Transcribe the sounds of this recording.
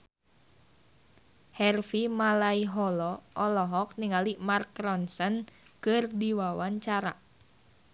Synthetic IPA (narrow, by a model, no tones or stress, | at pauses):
hɛrfimalaiɦɔlɔʔɔlɔɦɔk̚niŋalimarkɾɔnsənkɨrdiwawaɲt͡ʃaɾa̰